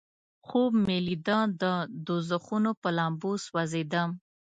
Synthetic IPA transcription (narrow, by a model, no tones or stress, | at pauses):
xobmelid̪ɑ̃d̪əd̪ozəxunopəlɑmbuswazed̪əm